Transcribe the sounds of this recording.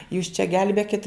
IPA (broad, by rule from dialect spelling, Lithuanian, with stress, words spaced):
juːs t͡ʃʲɛ ˈɡʲɛlʲbʲeːkʲɪt